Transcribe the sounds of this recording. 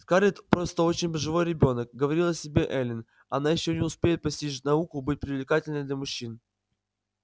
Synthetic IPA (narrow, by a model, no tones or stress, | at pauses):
t̪kaɾʲɪt̪pɾo̞st̪əo̞t͡ɕɪnʲbəʐɨvo̞jɾʲɪbʲo̞nək̚ɡəvɐɾʲilˠɐsʲɪbʲe̞ʔɛlʲɪn | ɐnajɪɕːonʲɪʊspʲejɪt̪̚pɐsʲtʲit͡ɕʲnɐukʊbɨt̚ʲpɾʲɪvlʲɪkatʲɪlʲnɨmʲd̪lʲəmʊɕːin